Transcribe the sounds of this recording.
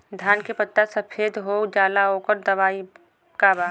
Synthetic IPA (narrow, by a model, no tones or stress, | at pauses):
d̪ʱjaːnkepət̪ːasəpʰeːd̪ɦoːd͡ʒaːlaɦoːkəɾd̪ɐʋaːi | kaːbaː